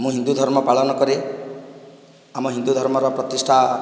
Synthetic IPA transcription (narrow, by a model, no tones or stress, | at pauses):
mũɦind̪ud̪ʱɔɾmɔpaɭɔnɔkɔɾe | amɔɦind̪ud̪ʱɔɾmɔɾɔpɾɔt̪isʈʰa